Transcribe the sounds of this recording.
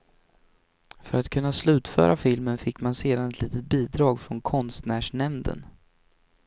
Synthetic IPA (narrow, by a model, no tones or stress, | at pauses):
fœɾat̪kʰɵnːaslʉ̟ːt̪fœ̰ːɾʔafɪlmənfɪkːmanseːd̪anɛt̪liːt̪ət̪̚biːd̪ɾɑːɡfɾɔnkʰɔnst̪næːʂɳɛmnd̪ə̰n